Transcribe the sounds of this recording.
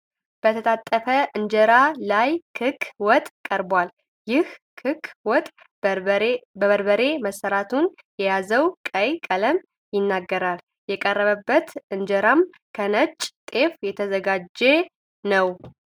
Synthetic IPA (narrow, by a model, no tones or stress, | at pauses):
b̥ət̪ʰət̪ʰat̪ʼːəfəʔɨnd͡ʒəɾalajkʰɨkʰwɔt̪ʼkʼəɾbwal | jɪhʰ | ɨkwɔt̪ʼ | bəβəɾbəɾe̞məsːəɾat̪ʰun | jɛjazəwkʼəjkʼələm | jɪnːaɡːəɾal | jɛkʼərːəβəbːət̪ɨnd͡ʒəɾam | kʰənət͡ʃʼt̪ʼe̞fjɛt̪ʰəzəɡad͡ʒːe | nəw